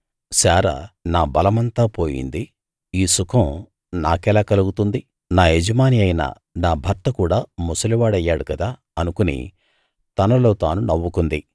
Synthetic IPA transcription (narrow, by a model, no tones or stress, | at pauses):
saːɾɐ̰naːbɐlɐmɐnt̪aːpo̞ːjḭnd̪i | iːsukɐm | na̰ːkɛːlaːkɐluɡut̪und̪i | naːɦed͡ʒɐmaːniɐjnɐ̰ | naːbʱɐɾt̪ɐkuːɽaːmusɐliʋaːɽɐjːaːɽukɐd̪aː | ɐnukunḭ | t̪ɐnɐlo̞ːt̪a̰ːnunɐʋːukund̪i